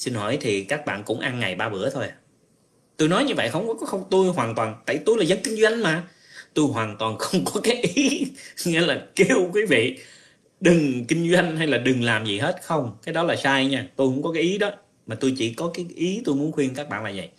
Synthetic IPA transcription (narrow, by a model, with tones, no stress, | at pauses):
si˧nɦɔ˧˩jt̪ʰi˨˩kaː˦˥k̚ɓa̰ː˧˨nkʊ̰˧˥ŋ͡mʔa˧nŋa˨˩jɓaː˧ɓɨ̰˧˥ət̪ʰo˧ja˨˩ | t̪o˧jnɔ˨˦jɲɨ˧və̰˧˨jxə˧wŋ͡mkkɔ˨˦xə˧wŋ͡mt̪u˧jɦwaː˨˩nt̪waː˨˩nt̪a̰ː˧˨jt̪u˧jlaː˨˩zə˨˦nkï˧ŋ̟zwa˧jŋ̟maː˨˩ | t̪u˧jɦwaː˨˩nt̪waː˨˩nxə˧wŋ͡mkɔ˨˦kaː˨˦jʔi˨˦ŋḭ˧˥laː˨˩ki˧əwkwi˨˦vḭ˧˨ | ɗɨ˨˩ŋkï˧ŋ̟zwa˧jŋ̟ɦa˧jlaː˨˩ɗɨ˨˩ŋlaː˨˩mzi˨˩ɦe˦˥t̚xə˧wŋ͡mkaː˨˦jɗɔ˨˦laː˨˩saː˧jɲaː˧˩t̪u˧jxʊ̰˧˥ŋ͡mkɔ˨˦kaː˨˦jʔi˨˦ɗɔ˨˦ | maː˨˩t̪u˧jt͡ɕi˧˩kɔ˨˦kaː˨˦jʔi˨˦t̪u˧jmu˨˦nxwi˧ənka˦˥k̚ɓa̰ː˧˨nlaː˨˩və̰˧˨j